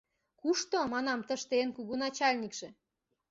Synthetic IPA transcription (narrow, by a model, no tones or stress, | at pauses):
kuʃt̪omɑnɑmt̪ə̆ʃt̪enkuɣunɑt͡ɕɑlʲnʲikʃĕ